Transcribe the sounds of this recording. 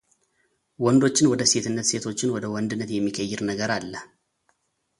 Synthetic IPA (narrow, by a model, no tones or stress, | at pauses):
wɔnd̪o̞t͡ʃːɪnwɔd̪əse̞t̪ɨnːət̪se̞t̪ʰo̞t͡ʃːɪnwɔd̪əwɔnd̪ɨnːət̪jɛmːikʰəjːɪɾnəɡəɾalːə